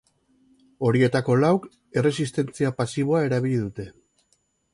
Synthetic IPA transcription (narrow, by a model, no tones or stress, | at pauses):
o̞ɾie̞t̪ako̞lawk | e̞re̞sist̪e̞nt͡siapasiβ̞o̞ae̞ɾaβ̞iʎiðut̪e̞